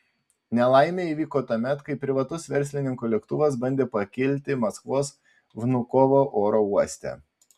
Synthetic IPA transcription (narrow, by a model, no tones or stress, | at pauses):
nʲɛlˠɑˑɪmʲeːiːʋʲiːkoːt̪ɐmʲɛt̪kɐɪpʲɾʲɪʋɐt̪ʊsʋʲɛɾʲsʲlʲɪnʲɪŋkuːlʲɛkt̪ʊʋɐs̬bɐnʲd̪ʲeːpɐkʲɪlʲt̪ʲɪmɐskʋoːs | ʋnʊkoːʋoːʔoːɾouɔsʲt̪ʲɛ̰